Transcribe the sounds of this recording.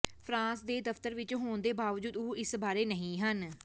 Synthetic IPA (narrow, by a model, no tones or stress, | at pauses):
pʰɾãːsd̪eːd̪əft̪əɾʋɪt͡ʃɦoːɳd̪eːbaːʋd͡ʒuːd̪ʊɪsbaːɾeːnəɦĩːɦən